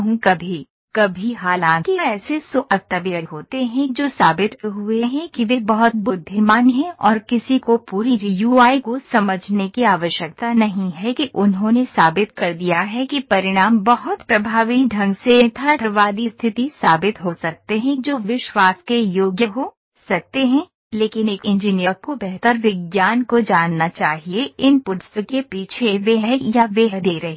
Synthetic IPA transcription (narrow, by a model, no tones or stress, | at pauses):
ɦũkɐbʱi | kɐbʱiɦaːlãːkiɛːsesʊʔɐɾt̪əʋiəɾɦoːt̪eɦɛ̃d͡ʒoːsaːbɪt̪ɦueɦɛ̃kiʋebɐɦʊt̪̚bʊd̪ʱːimaːnɦɛ̃ʔɔːɾkɪsikopuːɾiɾijuːaːikosɐməd͡ʒʱnekiaːʋəʃjək̚t̪anɐɦĩɦɛkiʔʊnɦõnesaːbɪt̪kɐɾd̪ijaɦɛkipɐɾɪɽ̃aːmbɐɦʊt̪pɾɐbʱaːʋiɖʱɐ̃ŋɡset̪ʰaʈ̪ʰəɾʋaːd̪ist̪ʰɪt̪isaːbɪt̪ɦosɐk̚t̪eɦɛ̃d͡ʒoːʋɪʃwaːskejoːɡjəɦo | sɐk̚t̪eɦɛ̃ | leːkɪneːkɪ̃ɲd͡ʒinijəɾkobɛɦt̪əɾʋɪɡjaːnkod͡ʒaːnːat͡ʃaːɦieɪnpʊd̪səkepiːt͡ʃʰeʋeɦjaʋeɦd̪eːɾɐɦe